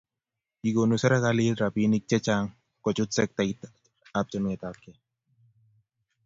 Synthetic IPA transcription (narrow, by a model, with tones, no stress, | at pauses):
i˨ɡo˨nu˨sɛ˦ɾɛ˦kalitɾa˨pini˦k̚t͡ʃɛ˦t͡ʃaŋ | kɔ˨t͡ʃʊ˦t̪sɛ˦k̚tait̪ | ap̚t͡ʃɔ˦nŋɛ˨t̪akːɛ